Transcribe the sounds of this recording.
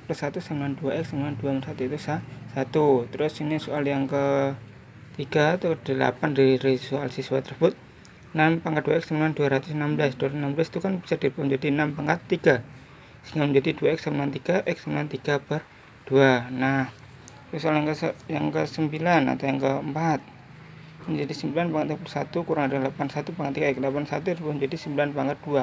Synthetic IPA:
pərsat̪usəmbilanduaʔɪksəmbilanduapəsat̪uit̪usasat̪ut̪əɾʊsinisualjaŋkə | t̪iɡ̥at̪ukdəla̰pandaɾiɾisualsiswat̪ərsəbʊt̪̚ | nampaŋkat̪̚d̥uaɪk̚səmilanduaɾat̪ʊsnamblasd̥ualnamblast̪ukanb̥i̥sard̥ipamd͡ʒadinampaŋkat̪ːiɡ̥a | səŋɡalməɲd͡ʒadiduaɛksəmbilant̪iɡ̥aʔɪk̚səmbilant̪iɡ̥apər | d̥uanah | t̪usaljaŋkəəjaŋkəsəmbilana̰t̪awjaŋkəəmpat̪̚ | məɲd͡ʒadisəmbilanpaŋɡat̪jpərsa̰t̪ukuɾaŋadalapansat̪upaŋɡat̪ːiɡaklapansat̪und͡ʒadisəmbilanpaŋɡat̪̚d̥ua

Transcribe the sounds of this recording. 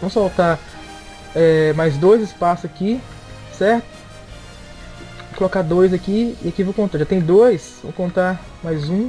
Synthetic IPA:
vɐ̃mʊsfawt̪aɾ | ɛmajzd̪ojzɪspasʊaki | sɛɾt̪ʊ̥ | okolokad̪ojzɐkiḭakivowkõnt̪aɾʒat̪ẽj̃d̪ojsvɐ̰̃mkõnt̪aɾ | majzũ

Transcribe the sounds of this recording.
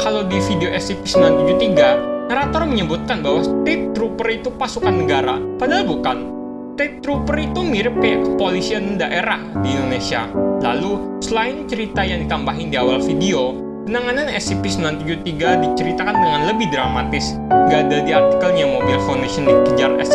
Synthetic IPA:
kalawdifideoʔɛsipi̥sənlant̪ud͡ʒut̪iɡanaɾat̪ɔrməɲəbut̪̚kanbaɦwat̪ɛt̪ɾupərit̪upasukanːəɡaɾa̰padalbukan | t̪ɛt̪ɾupərit̪umiɾəpɛpolisianndaʔeɾahdiindonesia̰la̰lu | səlaɪnt͡ʃəɾit̪ajaŋdit̪ambaɦɪndiawalfideo | pənaŋananɛ̰sipisəmlant̪ud͡ʒut̪iɡadit͡ʃəɾit̪akanaŋanləbɪhdɾama̰t̪ɪs | ɡaːdadiart̪i̥kəlɲamobɪlfawndasiɔndikəd͡ʒarɛ̰s

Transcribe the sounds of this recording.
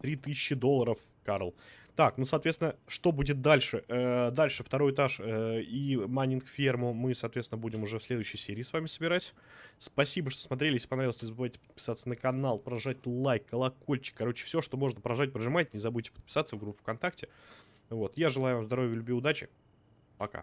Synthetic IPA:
t̪ɾʲit̪ɨsʲɪɕːɪd̪o̞lˠːəɾəf | kaɾlˠt̪aknusɐːt̪vʲenəʂt̪o̞budʲɪt̪̚d̪alʲʂɨəd̪alʲʂɨft̪ɐɾo̞jɪt̪aʂəimanʲɪnkfʲermʊmɨsɐːt̪vʲet̪sʲnəbudʲɪmʊʐɛfsʲlʲe̞d̪ʊʉɕːəjsʲeɾʲɪiːsvamʲɪsəbʲɪɾatʲ | spɐsʲibəʂt̪osmɐt̪ɾʲelɪspɐnɾavlˠsʲnʲɪzbɨvajʲtʲɪ̥pə̥t̪̚pʲɪ̥sat̪sənəkɐnalˠpɾɐʐat̚ʲlˠajkːəlˠɐko̞lʲt͡ɕɪ̥k̚ːɐɾo̞t͡ɕɪ̥fsʲo̞ʂt̪o̞mo̞ʐnəpɾɐʐat̚ʲpɾəʐɨmajtʲɪnʲɪzɐbud̚ʲtʲɪpət̪̚pʲɪ̥sat̪səvɡɾupʲːʊɪ̥fkɐnt̪aktʲɪ | vo̞t̪jaʐɨlˠajʊvamzd̪ɐɾovʲjəlʲʊbʲiʊd̪at͡ɕɪ̰ | pɐka̰

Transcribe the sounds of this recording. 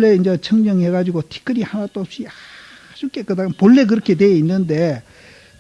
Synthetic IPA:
ɭːeind͡ʑet͡ɕʰʌŋmjʌŋɦeɡad͡ʑiɡotʰi̥k͈ʰɯɾihanat͈osia | ɕʰuk͈etk͈ɯdapoɭːek̬ɯɾʌkʰe̞deinːɯnde̞

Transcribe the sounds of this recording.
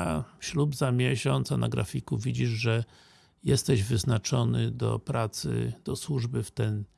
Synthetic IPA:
aɕlubzamʲjɛɕɔnt̪sana̰ɡɾa̰fʲikuvʲid͡ʑiʐʐɛ | jɛst̪ɛʑvɘznat͡ʂɔnɘd̪ɔ̰pɾat̪sɘ̰d̪̥ɔswuʐbɘft̪ɛn

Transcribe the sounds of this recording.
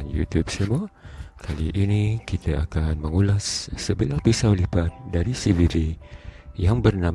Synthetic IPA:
njṵt̪jup̚səmakʰaliʔinĩkit̪əakanməŋulasːəbilahpisawlipat̪̚daɾisiviɾi | jaŋbərnam

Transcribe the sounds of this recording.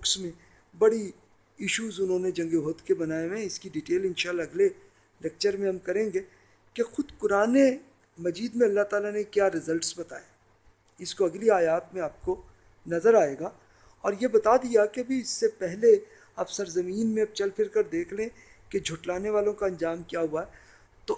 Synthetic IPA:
ʊksmẽ | bɐɽi | ɪʃuːzʊnɦõned͡ʒɐ̃ŋɡeɦoːt̪kebɐnaːemẽɪskiɖiʈeːlɪ̃nʃaːlaɐɡle | lɛk̚t͡ʃəɾmẽɦɐmkɐɾẽːŋɡeː | kexʊd̪kʊɾaːne | mɐziːd̪mẽɐlːaɦt̪aːlanekjaːɾɪzəlʈsbɐt̪a̰ːe | ɪskoɐɡliaːjaːt̪mẽaːp̚ko | nɐzəɾaːeːɡaː | ɔːɾjebɐt̪ad̪ijakeɐbʱiɪsːepɛɦle | aːpsɐɾzɐmiːnmẽɐp̚t͡ʃɐlpʰɪɾkɐɾd̪eːkʰlẽ | ked͡ʒʱʊʈlaːneʋaːlõkaɐ̃nd͡ʒaːmkijaɦuaɦɛ | t̪o

